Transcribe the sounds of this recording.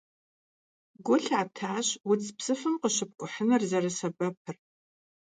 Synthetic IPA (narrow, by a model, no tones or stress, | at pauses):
ɡʷʊɬaːtʰaːɕwʊt͡sʰʼpsɨfɨmqəʃɪp̚kʷʼʊħənɐrzɐrɐsɐbɐpʰɨr